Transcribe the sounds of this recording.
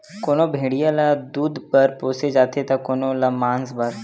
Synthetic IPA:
koːnobʱeːɽijalad̪uːd̪pɐɾpoːsed͡ʒaːt̪et̪ɐkoːnolamãːnsbɐɾ

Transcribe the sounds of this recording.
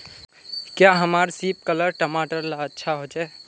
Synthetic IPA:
kjaɦəmaɾsip̚kələɾʈəmaʈəɾlaətːʃʰaɦod͡ʒa

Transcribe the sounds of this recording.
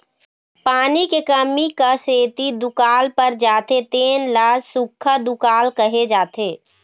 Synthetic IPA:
paːnikekəmikaseːt̪id̪ʊkaːlpəɾd͡ʒaːt̪et̪eːnlaːsʊkʰːad̪ʊkaːlkəɦed͡ʒaːt̪eː

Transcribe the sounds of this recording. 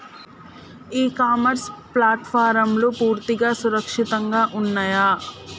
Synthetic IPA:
iːkaːmɐɾsplaːʈpʰaːɾɐmlopuːɾt̪iɡaːsuɾɐkʂit̪ɐŋɡaːʔunːaːjaː

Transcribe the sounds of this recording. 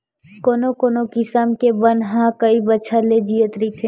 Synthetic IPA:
koːnokoːnokɪsəmkebənɦãkəibəːt͡ʃʰəled͡ʒijət̪ɾit̪ʰeː

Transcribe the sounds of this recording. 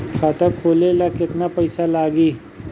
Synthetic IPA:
kʰaːt̪akʰoːlelakɪt̪napɐɪsalaːɡiː

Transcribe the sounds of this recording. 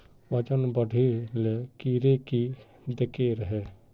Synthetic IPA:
ʋət͡ʃənbəɖʱelekiːɾeki | d̪ɪkeɾəɦɛː

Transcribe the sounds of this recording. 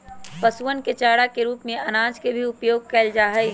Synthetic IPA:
pɐsuənket͡ʃaːɽakeɾuːpmẽɐnaːd͡ʒkebʱiʊpjoːɡ̚kɛːld͡ʒaːɦəi

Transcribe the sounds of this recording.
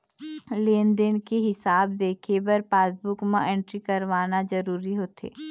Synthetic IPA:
leːnd̪ənkeɦɪsaːbd̪eːkʰebɐɾpaːsbʊkmãʔẽːɳʈɾikɐɾʋaːnazɐɾuːɾiɦoːt̪ḛː

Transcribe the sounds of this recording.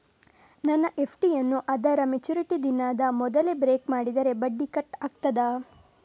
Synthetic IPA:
nɐnːɐʔepʰʈijɐnːuʔɐd̪ɐɾɐmet͡ʃuɾiʈid̪inaːd̪ɐmɔd̪ɐlebɾeːkmaːɽid̪ɐɾe̞bɐɖːikɐʈːaːk̚t̪ɐd̪ɐ

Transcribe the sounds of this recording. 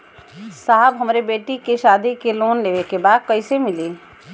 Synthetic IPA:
saːɦbɦɐmɾebeːʈikiʃaːd̪ikeloːnleːʋekebaːd̪̚kɐisemɪliː

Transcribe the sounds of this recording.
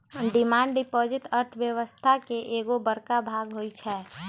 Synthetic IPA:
ɖɪmaːɳɖɖɪpoːd͡ʒɪt̪əɾt̪ʰʋjəʋəst̪ʰakeʔeːɡobəɾkabʱaːɡɦoit͡ʃʰɛː

